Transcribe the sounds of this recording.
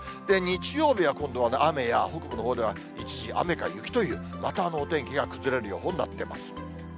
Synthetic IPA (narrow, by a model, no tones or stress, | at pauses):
d̪̥e̞ɲ̟it͡ɕijo̞ːbʲiβakõ̞nd̪oβaname̞ja̰ho̞kɯ̟bɯno̞ɦoːd̪e̞βa | it͡ɕiʑiʔa̰me̞ka̰jɯkʲi̥t̪o̞jɯ̟ː | mat̪aːno̞ːt̪ẽ̞ŋkʲiɡakɯ̟zɨɾe̞ɾɯ̟jo̞̰ːɦonːa̰t̪ːe̞ma̰sɨ̥